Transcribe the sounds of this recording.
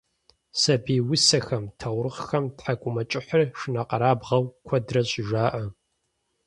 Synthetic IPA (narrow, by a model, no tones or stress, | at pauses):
sɐbiːwʊsɐxɐmtʰɐwɾɨχxɐmtħakʷʼʊmɐt͡ʃʼɪħərʂɨnɐqɐɾaːbʁɐwkʷʰɔdrɐɕʼɪʒaːʔɐ